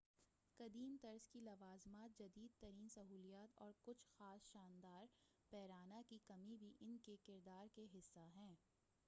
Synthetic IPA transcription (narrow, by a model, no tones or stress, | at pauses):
kɐd̪iːmt̪ɐɾskilɐʋaːzmaːt̪̚d͡ʒɐd̪iːd̪̚t̪ɐɾiːnsɐɦuːlijaːt̪ɔ̰ːɾkʊt͡ʃʰxaːsʃaːnd̪aːɾ | pɛːɾaːnakikɐmibʱiʔɪnkekɪɾd̪aːɾkeɦɪsːaɦɛ̃ː